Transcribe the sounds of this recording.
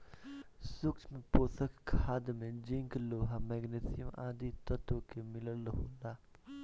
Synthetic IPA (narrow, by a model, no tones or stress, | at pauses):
sʊkt͡ʃmẽpoːsəkkʰːaːd̪mẽd͡ʒɪ̃ŋkloːɦamɛːɡneːsɪjəma̰ːd̪it̪ət̪okemɪləlɦoːlaː